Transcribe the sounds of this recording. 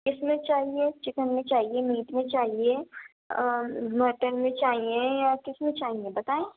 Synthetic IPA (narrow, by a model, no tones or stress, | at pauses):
kɪsmẽt͡ʃaːɦiet͡ʃɪkənmẽt͡ʃaːɦiemiːʈmẽt͡ʃaːɦie | məːɾʈənmẽt͡ʃaːɦiẽjakɪsmẽt͡ʃaːɦiẽbɐt̪aːẽː